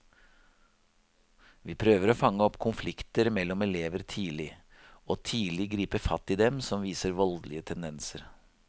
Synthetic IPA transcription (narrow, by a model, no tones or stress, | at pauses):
ʋiːpʰɾøːʋəɾoːfɑŋːəɔpːkʰʊnflɪkt̪əɾmɛlːɔmɛleːʋəɾt̪ʰiːlɪ | oːt̪ʰiːlɪɡɾiːpəfɑt̪ːɪːd̪ɛmsɔmʋiːsəɾʋɔld̪lɪət̪ʰɛnd̪ɛnsəɾ